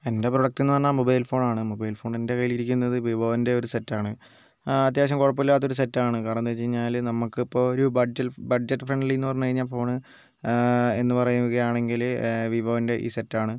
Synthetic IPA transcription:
e̞nde̞proɽɐk̚ʈenːɨt̪ɐnːaːmobɐjlfo̞ːɳaːɳɨmobɐjlfo̞ːɳe̞nde̞kɐjiliɾikʲːunːɐðɨʋibʱɐʋɐnde̞o̞ɾusetːaːɳɨ | ɐt̪̬ːjaːʋɐɕ̬ɐmkoɻɐpːilːaːt̪ːo̞ɾus̬etːaːɳɨkaːɾɐnɐnt̪et͡ɕːejɲːaːlnɐmukːɨipːo̞ːoɾubɐd͡ʑɐbɐɖd͡ʑɐtːɨfreɳɖilenːɨpɐrɐɲːukɐɻiɲːaːlfo̞ːɳɨ | e̞nːɨpɐrɐjuɣɐjaːɳe̞ŋɡilʋibʱɐʋɐnde̞ʔḭːse̞tːaːɳɨ

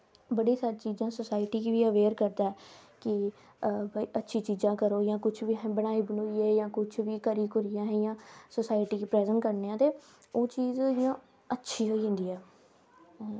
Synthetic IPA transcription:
bəɽiːsaːɾiːt͡ʃiːzãːsəsaːɪʈiːkiːʋiːəʋeːɾkəɾd̪aːɛːkɪ | biːʔətːʃʰiːt͡ʃiːzãːkəɾoːjãːkʊt͡ʃʰʋiːbəɽaːiːbənoːiːɛːjãːkʊt͡ʃʰʋiːkəɾiːkʊɾɪjãːɦɛ̃jãːsəsaːɪʈiːkiːpɾɛːzəɳʈkəɾneːãːt̪eː | oːt͡ʃiːzjãː | ətːʃʰiːɦoːiːɦʊ̃nd̪iːɛː

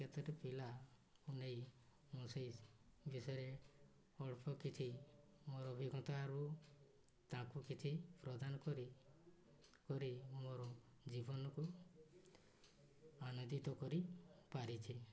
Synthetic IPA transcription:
ket̪ɔɾepilaunej | musejbisɔjɾe | ɔɭpʰɔkit͡ʃʰi | moɾɔbʱiɡʱɔ̃t̪aːɾu | t̪ãkukit͡ʃʰipɾɔd̪anɔkɔɾi | kɔɾimoɾɔ | d͡ʒibɔnɔku | anod̪it̪ɔkɔɾipaɾit͡ʃʰi

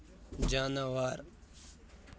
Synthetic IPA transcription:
d͡ʒaːnaʋaːɾ

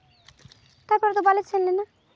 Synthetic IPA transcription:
t̪aɾpɔɾt̪obalet͡ʃʰenlena

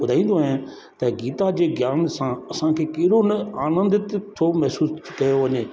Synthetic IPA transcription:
ʊd̪ʱaːĩːnd̪oɦẽ | t̪ɐɡiːt̪ad͡ʑeːɡjaːnsãɐsãkʰeːkɐɦɪɽonɐaːnə̃nd̪t̪t̪ʰomɛɦsuːskɐjoʋɐɲeː

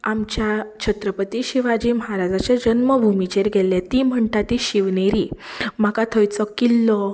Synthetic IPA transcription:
amt͡ɕjat͡ɕʰət̪ɾəpət̪iɕiʋad͡ʑiːməɦaɾad͡zat͡ɕad͡ʑənməbʱumit͡ɕeɾɡʱɛlːet̪im̤əɳʈat̪iɕiʋneɾim̤akat̪ʰəjt͡sɔkilːɔ

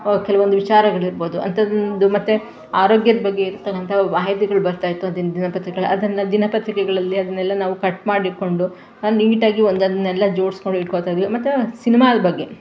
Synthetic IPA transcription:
kɛlɐʋond̪uʋit͡ʃaːɾɐɡɐɭiɾboːd̪uɐ̰nt̪ʰɐnd̪umɐt̪ːe | aːɾo̞ːɡjɐd̪ɐbɐɡːe̞iɾut̪ːɐkːɐnt̪ʰɐʋaːɦjt̪iɡɐɭubɐɾt̪aːjit̪ːuɐnd̪ind̪inɐpɐt̪ɾikɡɐɭɐd̪ɐnːɐd̪inɐpɐt̪ɾikɛɡɐɭɐlːiɐd̪ɐnːɛlːɐnaːʋukɐʈːmaːɽiko̞ɳɖu | anliŋɡiʈaːɡiond̪ɐd̪ɐnːɛlːɐd͡ʒo̞ːɽskoɳɖuiʈkot̪aːjd̪ːiʋimɐt̪ːesinimaːd̪ɐbɐɡːe̞

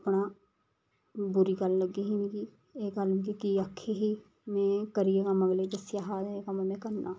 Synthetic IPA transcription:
əpɳaː | bʊɾiːɡəlːəɡːiːɦiːnikiː | eːɡəlniɡikiəkʰːeːɦiː | mɛ̃ːkəɾieːkaməɡleːd̪əsɪjaːɦaːd̪eeːkaməmɛ̃ːkəɾnaː

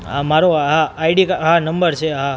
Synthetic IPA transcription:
ɦamaɾoɦaaiɖikaɦanəmbəɾt͡ʃʰeɦã

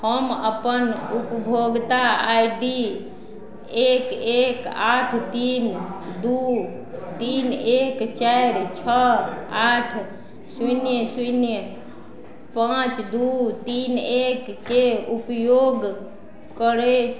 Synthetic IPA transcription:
həməpənupbʱoɡt̪aajɖi | ekekaʈʰt̪ind̪u | t̪inekt͡ʃaɾt͡ʃʰəaʈʰ | sujnjəsunjə | pãt͡ʃd̪ut̪inekːeupjoɡ | kəɾe

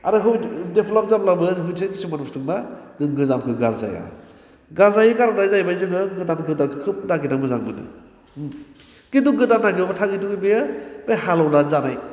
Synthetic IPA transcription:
aɾɯɦɯwdepʰlɔp̚zamlabɯɦɯjtʰɯkisumanustɯŋmazɯŋɡɯzamkʰɯɡalza̰ja̰ | ɡalzajikaɾɔwnajzajbajzɯŋɯɡɯdanɡɯdakʰɯkʰɯp̚naɡinamɯzaŋbɯnɯ̰ | kiduɡɯdanːaɡibabatʰaɡituɡibejɯb̥ejhalawnazanaj

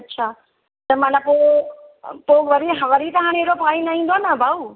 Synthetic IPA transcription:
ɐtːʃʰaː | t̪əmanapo | poʋəɾiɦɐʋəɾit̪ɐɦãɽ̃eːɾopãːĩnɐĩːnd̪onəbʱauː

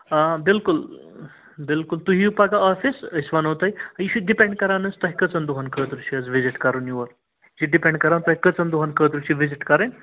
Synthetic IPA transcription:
bilkul | bɪlkult̪uɦiupaɡaafisisʋanɦot̪ajɐjiʃiɖipẽɳɖ̚kɐɾanɐst̪ɐɦikɐt͡sɐnd̪uɦankət̪ɾut͡ʃiɐd͡zʋiziʈkɐɾunjuʋɐɾ | d͡ʒiɖipẽɳɖkɐɾant̪ɐɦikət͡sɐnd̪uɦankət̪ɾut͡ʃiʋiziʈkɐɾɐn

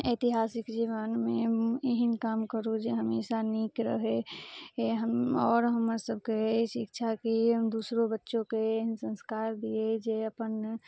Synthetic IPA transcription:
eːt̪iɦaːsɪkd͡ʒiːʋənmẽeɦənkaːmkəɾũd͡ʒeɦəmeːsaniːkɾəɦeeɦəɔːɾɦəməɾsəb̚keesʰikt͡ʃʰakiɦəmd̪uːsɾobətːʃõkeeɦənsə̃nskaːɾd̪ied͡ʒeəpən

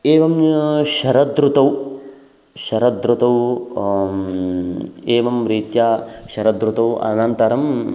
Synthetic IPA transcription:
eːʋɐmʃɐɾɐd̪ɾut̪ɐw | ʃɐɾɐd̪ɾut̪ɐw | eːʋɐmɾiːt̪jaːʃɐɾɐd̪ɾut̪ɐwɐ̰nɐnt̪ɐɾɐm

